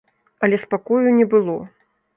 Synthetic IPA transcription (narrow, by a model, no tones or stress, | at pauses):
ɐlʲɛspakɔjunʲɛbɨlˠɔ